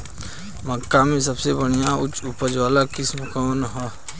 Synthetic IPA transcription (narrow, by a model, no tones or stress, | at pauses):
məkːamẽsɐbsebəɽ̃ijaʊt͡ʃʊpəd͡ʒʋaːlakɪsmʊkəənɦɔː